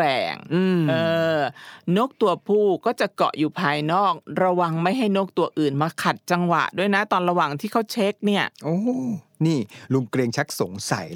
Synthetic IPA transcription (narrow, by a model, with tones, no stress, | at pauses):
ɾɛ̰ː˨˩ŋː˧˩ʔɤː˨˧ | noː˦˥˩k̚t̪u˧ɐpʰuː˥˩kɔː˥˩t͡ɕa˨˩ʔkɔ̰˨˩ʔjuː˨˩pʰaː˧jnɔː˥˩k̚ɾa˧wa˧ŋma˥˩jɦa˥˩jnoː˥˩k̚t̪u˨˧˩ɐʔɯː˨˩nmaː˧kʰa˨˩t̪̚t͡ɕa˧ŋwa̰˨˩ʔdu˥˩əjna˦˥t̪ɔː˧nɾa˧waː˨˩ŋt̪ʰiː˥˩kʰa˦˥wt͡ɕʰe˦˥k̚ni˥˩ɐʔoː˧˩niː˥˩lu˧ŋkɾe˧ŋt͡ɕʰa˦˥k̚so˨˩˦ŋsa̰˨˩˦j